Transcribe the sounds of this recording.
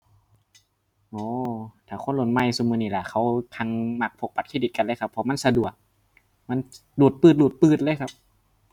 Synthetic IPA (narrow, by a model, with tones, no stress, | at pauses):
ʔoː˨˧˩t̪ʰaː˨˩kʰo˧˥˨nlo˧˩n̚ma˧˨jsuː˧mɯː˧niː˧˩la˧˩kʰa˧˩wkʰa˧ŋma˧˩k̚pʰo˧˩k̚pa˨t̪̚kʰi˧˥˩d̪i˨˩t̪̚ka˧˨nlɤː˧˩jkʰa˧pʰːɔ˧˦ma˧˥˨nsa˧du˨˩ək̚ | ma˧˥˨n | luː˨˩t̪̚pɯː˧˩t̪̚luː˨˩t̪̚pɯː˧˩t̪̚lɤː˧˥˨kʰa˦˧˥p̚